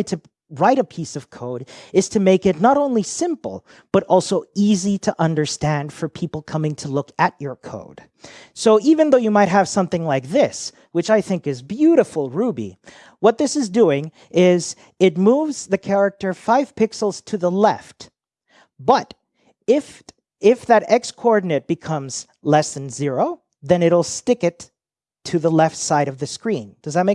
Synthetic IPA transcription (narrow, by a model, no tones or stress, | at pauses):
ɾɨ | ɹaɪɾɨpʰisʌv̥kʰoʊɾɨz̥tʰɨmeɪkɨtⁿnəɾõʊ̃nlisɪ̃mpl̩ˠ | b̥ʌɾɔlˠsoʊiziɾɨʔʌ̃ndə˞stæ̃nd̥fə˞pʰipl̩ˠkʰʌmɪ̃ŋtʰəlʊkɨt͡ʃə˞kʰo̰ʊd̥ | soʊʔivɨ̃nðoʊjɨmaɪt̚ɦɨv̥sʌ̃mθɪ̃ŋlaɪk̚ðɪs | wɨt͡ʃaɪθɪ̃ŋkɨzbjʉɾɨfl̩ˠɹʉbḭ | wʌt̪̚ðɪsɨzduɪ̃ŋ | ɪz | ɪt̚muvzðɨkʰɛɹɨk̚tə˞faɪv̥pʰɪksl̩ˠz̥tʰɨðəlɛ̰ft | b̥ʌɾ | ɪf | ɪfðɨɾɛkskʰoɔɹdⁿn̩ɨɪt̚b̥ɨkʰʌ̃mz̥ | lɛsðɨ̃n̩zɪɹoʊ | ðɨ̃ñɨɾl̩ˠstɪkɨtʰ | ɨðəlɛftsaɪɾʌvðɨskɹĩnd̥ʌzðɨt̚meɪ